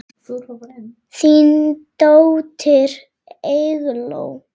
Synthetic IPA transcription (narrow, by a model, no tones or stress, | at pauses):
θint̪owt̪ʰɪɾ | eɣlo̰w